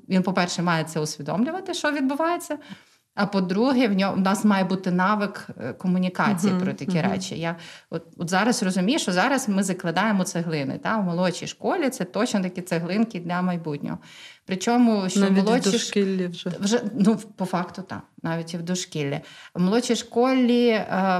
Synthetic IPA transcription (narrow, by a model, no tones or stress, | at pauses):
ʋʲinpɔpɛrʃɛmɑjɛt̪sɛʊsʲʋʲid̪ɔ̰mlʲʊʋɐt̪ɪʃɔʋʲid̪bʊʋɑjet͡sʲːɐ | ɐpɔd̪ɾuɦɛwnʲɔnɑsmɑjɛbut̪ɪnɑʋɪkkːɔmʊnʲikɑt͡sʲijpɾɔt̪ɐkʲiɾɛ̰t͡ʃʲḭjaɔt̪̚ɔt̪zɑɾɐzrɔzʊmʲijʊʃt͡ʃɔzɑɾɐsmɪzɐklˠɐd̪ɑjemɔt̪seɦlˠɪnɪ̰t̪ɑʋmɔlˠɔt͡ʃijʃkɔlʲit̪sɛt̪ɔt͡ʃnɔt̪ɐkʲit̪seɦlˠɪnkʲid̪ʲlʲɐmɐjbutʲnʲɔ̰ɦɔpɾɪt͡ʃɔmʊʃt͡ʃt͡ʃɔmɔlˠɔt͡ʃiʃkʲilʲːiʒʋʒɛnupɔfɑkt̪ʊt̪ɑ̰mnɑʋʲitʲiwd̪ɔʃkʲilʲːɐ̰ʋmɔlˠɔt͡ʃʲijʃkɔlʲːi